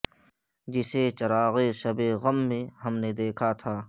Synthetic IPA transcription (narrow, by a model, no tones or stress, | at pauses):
d͡ʒɪset͡ʃɐɾaːɣeʃɐbeɣɐmːẽɦɐmned̪eːkʰat̪ʰaː